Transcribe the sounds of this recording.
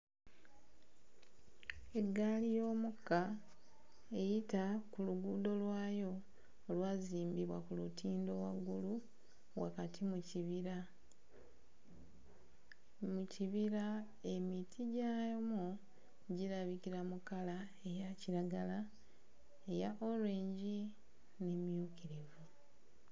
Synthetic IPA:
e̞ɡalijo̞ːmukːa | ejitakuluɡuːdo̞lwaːjo̞ː | lwaːziːmbiβwakulutiːndo̞waɡːulu | wa̰katʰimuciβiɾa | muciβiɾa | emitʰiɟajomo | ɟiɾaβikiɾamukala | e̞jaciɾaɡala | e̞jaʔolweːɲɟi | nemjukiɾivu

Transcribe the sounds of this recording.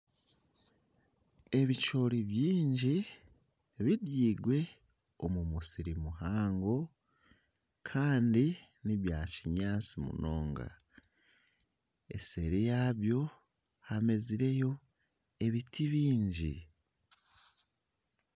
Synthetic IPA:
e̞βit͡ʃo̞ɾiβjiːɲɟi | βidjiːɡwe̞ | o̞mumusiɾimuɦaːŋɡo̞ | kʰaːndi | niβjaciɲaːt͡simṵno̞ːŋɡa̰ | e̞̰se̞ɾijaːβjo̞ | hame̞ziɾe̞jo̞ | e̞βitʰiβiːɲɟḭ

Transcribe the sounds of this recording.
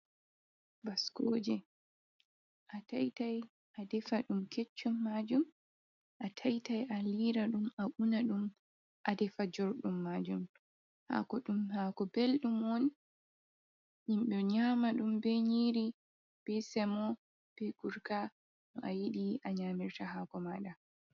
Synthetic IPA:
baskod͡ʒɛ | ʔatajtaj | adɛfaɗumket͡ʃːɔmːad͡ʒum | ʔatʰajtajʔaliɾaɗumaʔunaɗum | ʔadɛfad͡ʒɔɾɗumːaːd͡ʒum | ha̰kɔɗumhaːkɔbelɗumwɔn | himɓɛɲamaɗumbɛɲiɾi | b̥ɛsɛmɔ | b̥ɛɡuɾka | nɔʔajiɗiʔaɲamiɾtahaːkɔmaɗa

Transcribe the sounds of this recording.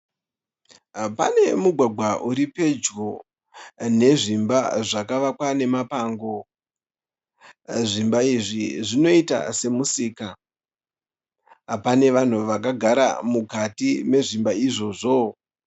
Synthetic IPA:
pane̞muɡʱwaɡʱwaʔuɾipe̞d͡ʒɡo | ne̞ʐimbaʐakaʋakwane̞mapaːŋɡo̞ | ʐimbaiʐiʐino̞ita̰se̞musiːka | pane̞ʋan̤uʋak̬aɡʱaɾa̰mukatime̞ʐimbaiʐo̞ʐo

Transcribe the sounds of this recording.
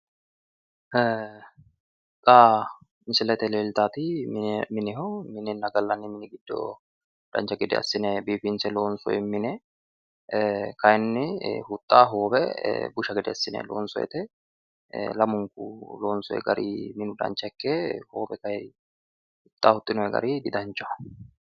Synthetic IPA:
t̪ʼːaː | ɪnsɛlɛt̪ɛleːlt̪aːt̪ɪmɪnɪɦɔmɪnɛnːɐɡɐlːɐnːɪmɪnɪɡɪd̪ːɔ̰ | d̪̥ɐ̰nt͡ʃːɐɡɛd̪ɛ̰ɐ̰sːɪnɛbiːfɪnsɛloːnsɔ̰jɛmɪnɛ | kɐjɛnːɪhʊt̪ʼːaːɦoːbɛbʊʃɐɡɪd̪ɛɐsːɪnɛ̰lo̰ːnsɔjɛ̰t̪ɛ | lɐmʊŋkʊ̰loːnsɔɛ̰ɡɐ̰ɾḭːmɪnʊd̪ɐ̰nt͡ʃːɐɛkːeːhoːbɛkɐj | hʊt̪ʼːaːhʊt̪ʼːɪnɔjɛɡɐ̰ɾiɡɪd̪ɐnt͡ʃːɔ

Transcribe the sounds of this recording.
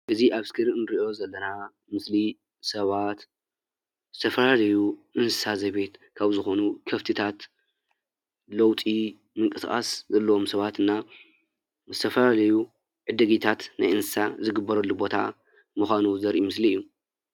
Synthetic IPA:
ʔɨziʔaβskʰɨɾɨnɾiʔo̞zɐlːɐna | mɨsli | sɐβat̪ | zɨt̪ʰɐfɐlalɐjuʔɨnsɨsazɐjβe̞t̪kʰaβzɨxo̞nukʰɐft̪ʰɨt̪ʰat̪ | lɐwt̪ʼi | mɨŋkʼɨsxʼa̰szɐlːɐwo̞msɐβat̪ɨnːa | zɨt̪ʰɐfɐlalɐju | ʕɨd̪ɐɡit̪ʰat̪na̰jɨnsɨsazɨɡɨbːɐɾɐlːubo̞t̪ʰa̰ | mɨxʷanuzɐɾʔimɨsliɨjːu

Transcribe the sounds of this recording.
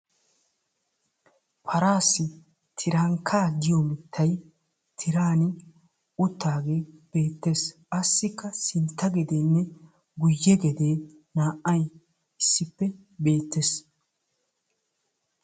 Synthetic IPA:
pʰɐɾaːsːɪ | t̪ʰɪɾɐŋkʰaːd̪ɪjɔmɪt̪ʰːɐj | t̪ʰɪɾaːnɪ | ʊt̪ːaːɡe̞ːb̥e̞ːt̪ːe̞ːsʔɐsːɪkːɐsɪnt̪ːɐɡɛd̪enːɛ | ɡʊjːɛɡɛd̪e̞ː | naːʔːɐj | ɪsːɪpːɛ | be̞ːt̪ːeːs

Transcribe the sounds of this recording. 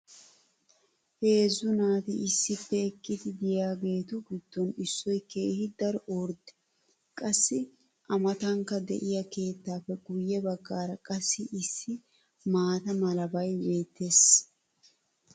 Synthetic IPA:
he̞ːzːʊnaːt̪ɪʔɪsːɪpːɛɪkʼːɪd̪ɪd̪ɪjaːɡe̞ːt̪ʊɡɪd̪̥ːɔnɪsːɔjke̞ːhɪd̪ɐɾɔoɾd̪ɛ̥ | kʼɐsːɪ | ʔɐmɐt̪ɐŋkːɐd̪ɛ̰ʔɪjɐke̞ːt̪ːaːpːɛɡʊjːɛbɐɡːaːɾɐkʼɐsːɪʔɪsːɪ | maːt̪ɐmɐlɐbɐjbe̞ːt̪ːe̞ːs

